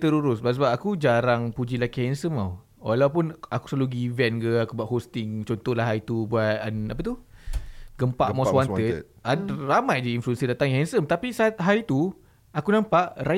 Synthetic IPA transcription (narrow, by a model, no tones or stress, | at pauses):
t̪əɾuɾʊsbaʔsəbap̚akud͡ʒaɾaŋpud͡ʒilakiɦɛnsəma̰w | walawpunaku̥saluɡiːvɛnɡəakubuaʔ̚ɦost̪ɪŋt͡ʃɔnt̪ɔhlahɦaɾit̪ubuat̪̚anapat̪u | ɡəmpaʔmaswant̪ət̪̚aramãjdiinfluɛnsidat̪aŋɛnsəmt̪apisat̪̚ɦaɾit̪u | akunãmpaʔra